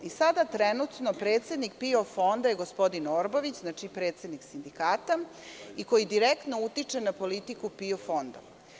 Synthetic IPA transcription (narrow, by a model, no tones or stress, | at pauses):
isad̪at̪ɾenut̪no̞pɾe̞ːt̪se̞d̪nik̚piofo̞nd̪ajeɡospo̞d̪inoɾboʋit͡ɕznat͡ʂipɾe̞ːt̪sed̪niksind̪ikaːt̪a | iko̞jid̪iɾekt̪no̞ut̪it͡ʂenapo̞lit̪ikupiofo̞nd̪o̰